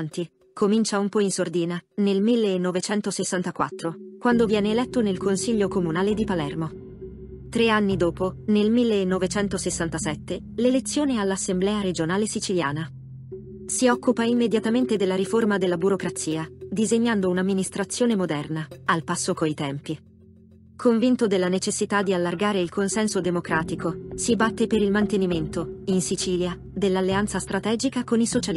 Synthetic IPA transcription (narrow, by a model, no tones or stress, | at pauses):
nt̪i | komint͡ʃaumpɔinsord̪iːnanelmilːeːnːovet͡ʃɛnt̪osesːant̪akwa̰t̪ːɾokwand̪ovjɛːneːlɛt̪ːonelkonsiʎːokomunaːled̪ipalɛrmo | t̪ɾeanːid̪oːponelmilːeːnːovet͡ʃɛnt̪osesːant̪asɛt̪ːe | lelet̪sːjoːnealːasːemblɛːaɾed͡ʒonaːlesit͡ʃiljaːna | siɔkːupaimːed̪jat̪ament̪ed̪elːaɾiformad̪elːabuɾokɾat̪sːiːad̪izeɲːand̪ounamːinist̪ɾat̪sːjoːnemod̪ɛrnaalpasːokoit̪ɛmpi | kʰoɱvint̪od̪elːanet͡ʃesːit̪ad̪ialːarɡaːɾeilkʰonsɛnsod̪emokɾaːt̪ikosibat̪ːepeɾilmant̪eniment̪oinsit͡ʃiːlja | d̪elːalːeant̪sast̪ɾat̪ɛːd͡ʒikakonisot͡ʃal